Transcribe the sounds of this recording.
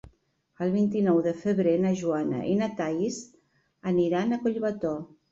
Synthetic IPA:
əlˠβint̪inɔwðəfəβɾenəʒuanə̰ʔinat̪aiz | əniɾanəkoʎβət̪ɔ

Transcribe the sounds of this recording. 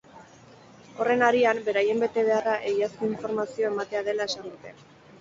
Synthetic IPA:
o̞re̞naɾiambe̞ɾaje̞mbe̞t̪e̞β̞e̞araʔe̞iaskoiɱfo̞ɾmasio̞e̞mat̪e̞aðe̞lae̞sand̪ut̪e̞

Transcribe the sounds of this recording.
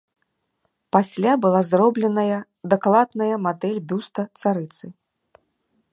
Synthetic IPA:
pasʲlʲabɨlˠazrɔblʲɛnɐjɐ | d̪aklˠad̪nɐjɐmad̪ɛlʲbʲust̪ɐt̪saɾɨt̪sɨ

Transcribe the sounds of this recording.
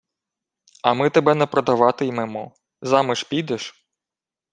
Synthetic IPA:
ɐmɪt̪ebɛnɛpɾɔd̪ɐʋɑt̪ɪjmɛmɔ | zɑmɪʃpʲid̪ɛʃ

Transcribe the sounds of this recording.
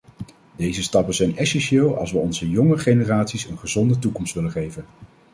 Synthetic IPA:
dejzəstɑpənzɛjnɛsɛnʃeːlˠɑ̰lˠsʋəɔnzəjɔŋəχejnəraːtsisənχəzɔndətukɔmstʋɪlənχejvən

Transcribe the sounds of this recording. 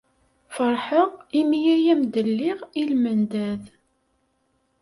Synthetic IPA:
fəɾˤħəʁimijæjæmd̪əlːɪʁilmənd̪æð

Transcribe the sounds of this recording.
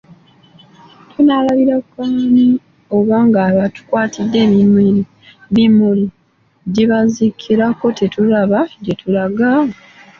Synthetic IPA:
tʰunalaβiɾakːani | o̞βaːŋɡaːβatu̥kwaːtʰidːe̞ːβimwiɾi | βimuli | ɟiβazikʰːiɾako̞tetulaβaɟetʰulaɡa

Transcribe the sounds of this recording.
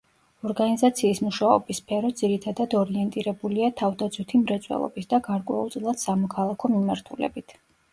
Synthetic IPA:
ɔɾɡanizat̪sʰiːsmuʃaɔ̰bispʰɛɾɔd̪ziɾit̪ʰad̪ad̪ɔɾiɛnt̪ʼiɾɛbuliat̪ʰavd̪ad̪zwit̪ʰimɾɛt̪sʼwɛ̰lˠɔ̰bisd̪aɡaɾkʼwɛ̰ṵlˠt̪sʼilˠad̪̥samɔkʰalˠakʰɔmimaɾt̪ʰulɛ̰bit̪ʰ

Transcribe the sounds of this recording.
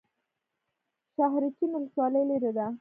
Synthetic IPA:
ʃaɦɾit̪imɪlswɑləjleɾed̪a

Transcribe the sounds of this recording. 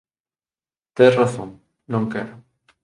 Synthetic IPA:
t̪eraθoŋ | nõŋkeɾo

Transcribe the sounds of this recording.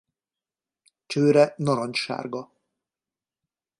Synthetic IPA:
t͡ʃøːɾɛnɔɾɒɲʃa̰ːrɡɒ

